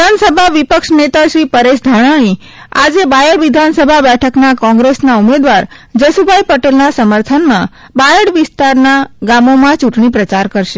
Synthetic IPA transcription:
ansəbʱaʋipəkʂnet̪aʃɾipəɾeʃd̪ʱaɽ̃aɽ̃i | a̰d͡ʒebajəɽʋid̪ʱansəbʱabɛʈʰəknakɔ̃ŋɡɾesnaumed̪ʋaɾ | d͡ʒəsubʱaipəʈelnasəməɾt̪ʰənmã | bajəɽʋɪst̪aɾnaɡamomãt͡ʃuʈɳipɾət͡ʃaɾkəɾʃe

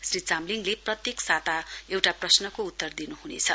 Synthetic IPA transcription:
srit͡samliŋleprʌt̪jeksat̪aewʈaprʌsnʌkout̪ːʌrd̪inuɦunḛt͡sʰʌ

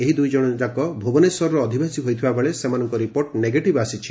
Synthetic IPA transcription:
eɦid̪ujd͡ʒɔɽ̃ɔd͡ʒakɔbʱobɔnesɔɾɔɾɔːd̪ʱibʱesiɦojt̪ʰibabeɭesemanɔŋkɔɾipoɾʈneɡeʈibasit͡ʃʰi̥

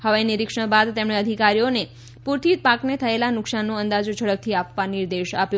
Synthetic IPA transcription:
həʋajniɾɪkʂə̃bad̪t̪emɽ̃eəd̪ʱikaɾijone | puɾt̪ʰit̪̚paknet̪ʰəelanʊksanːũənd̪ad͡ʒod͡ʒʱəɽək̚t̪ʰiapʋaniɾd̪eʃapju

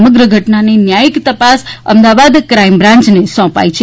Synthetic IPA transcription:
məɡɾəɡʱəʈnaninjajikt̪əpasə̰md̪aʋad̪kɾaimbɾãɲt͡ʃnesɔ̃pa̰it͡ʃʰe

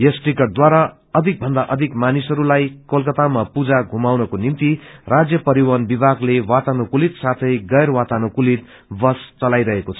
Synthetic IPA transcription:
jesʈikʌrd̪waɾa | ʌd̪ʱik̚bʱʌnd̪aʔʌd̪ʱikmanisʌɾulajkolkʌt̪amapud͡zaɡʱumawnʌkonimt̪irad͡zjʌpʌɾiwanbibʱaɡlewat̪anokulit̪sat̪ʰʌjɡʌjɾwat̪anokulit̪ | bʌst͡sʌlajɾʌɦekot͡sʰʌ̥

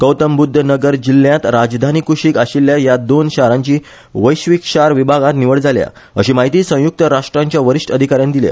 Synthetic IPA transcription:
kəwt̪əmbud̪ʱːənəɡəɾd͡ʑilːjãt̪ɾad͡zd̪ʱanikuɕikaɕilːjajad̪onɕaɾãɲt͡ɕiː | ʋəjɕʋikɕaɾʋibʱaɡãt̪niʋəɽd͡zalja̰ | əɕiːmaɦit̪iːsə̃w̃juk̚t̪əɾaʂʈɾaɲt͡ɕjaʋəɾiʂʈəd̪ʱikaɾjãnd̪ilḛ

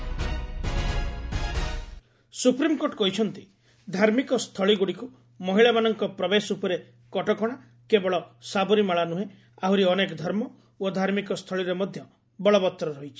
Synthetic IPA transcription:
supɾimkoʈɔkɔɦit͡ʃʰɔnt̪i | d̪ʱaɾmikɔst̪ʰɔɭiɡuɽiku | mɔɦiɭamanɔŋkɔpɾɔbesupɔɾe | kɔʈɔkɔɽ̃a | kebɔɭɔsabɔɾimaɭanuɦe | aɦuɾiɔnekɔd̪ʱɔɾmɔ | od̪ʱaɾmikɔst̪ʰɔɭiɾemɔd̪ʱjɔ | bɔɭɔbɔt̪ːɾɔɾɔɦjt͡ʃʰi̥

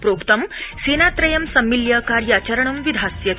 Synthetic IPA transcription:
pɾoːkt̪ɐmseːnat̪ɾɐjɐmsɐmːiljɐkaːɾjɐt͡ɕɐɾɐɳumʋid̪ʱasjɐ

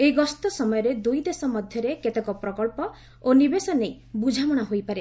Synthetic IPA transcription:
eiɡɔst̪ɔsɔmɔjɔɾed̪ujd̪esɔmɔd̪ʱjɔɾeket̪ekɔpɾɔkɔɭpɔ | onibesɔnej | bud͡ʒʱamɔɽ̃aɦojpaɾe

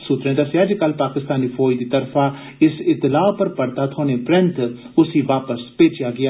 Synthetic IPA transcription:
sʊt̪ɾẽːd̪əseəd͡ʒkəlpaːkɪst̪aːniːpʰoːjd̪iːt̪əɾfʰaː | ɪsɪt̪ːɪlaːpəɾpəɽt̪aːt̪ʰoːnẽːpɾɪ̃nt̪ | ʊsiːʋaːpəspeːt͡ʃjaːɡɪaː

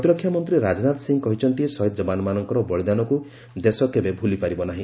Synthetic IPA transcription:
t̪iɾɔkʰːjamɔnt̪ɾiɾad͡ʒnat̪siŋɡkɔɦit͡ʃʰɔnt̪isɔɦit̪d͡ʒɔbanɔmanɔŋkɔɾɔbɔɭid̪anɔku | d̪esɔkebebʱulipaɾibɔnaɦĩ

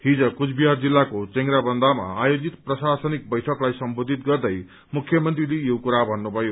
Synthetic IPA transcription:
hid͡zʌkut͡sʰbiɦard͡zilːakot͡sʌŋɡɾabʌnd̪ama̰ajod͡zit̪prʌsasʌnik̚bʌjʈʰʌklajsʌmbod̪ʱit̪̚ɡʌrd̪ʌj | mukʰjʌmʌnt̪rilejokuɾabʱʌnːubʱʌjo

